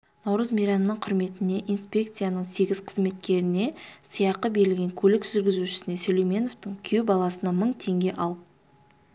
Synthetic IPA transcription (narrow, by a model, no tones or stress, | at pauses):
nɑwɾəzmijɾɑnnəɴqʰʊɾme̞t̪ɪne̞ʔijnspʲe̞kt̪sɨjanəɴse̞ɡʲɪz̥qʰəzme̞t̪kʲe̞ɾɪne̞sijɑqəbe̞ɾɪlɡʲe̞ŋkʲʰɵlɪkʒ̥ʏɾɡʲɪzuʃɪ̥sɪne̞sɵlʲejmʲe̞no̞ft̪əɴkʲʰewbɑlˠɑsənɑməɴt̪ʰe̞ŋɡʲe̞ʔɑlˠ